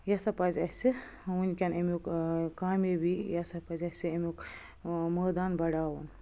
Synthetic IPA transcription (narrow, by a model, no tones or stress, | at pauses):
jɐsɐpɐzʲɐsʲi | unʲkʲɐnemukkaːmibijɐsɐpɐzʲɐsʲiemʲuk | məːd̪aːnbɐɽaːwɐn